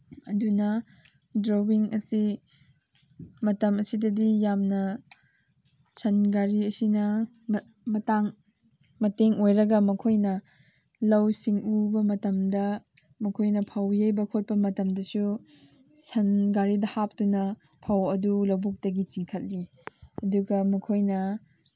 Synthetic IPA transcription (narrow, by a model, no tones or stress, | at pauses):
ɐdunɐ | dɾobiŋɐsi | mɐtɐmɐsidɐdijamnɐ | sʰɐnɡaɾiɐsinɐ | mɐtaŋ | mɐteŋojɾɐɡɐmɐkʰojnɐ | lɐwsiŋubɐmɐtɐmdɐ | mɐkʰojnɐpʰawjɐjbɐkʰot̚pɐmɐtɐmdɐsu | sʰɐnɡaɾidɐhap̚tunɐ | pʰawɐdulɐwbuk̚tɐɡit͡ʃiŋkʰɐt̚li | ɐduɡɐmɐkʰojnɐ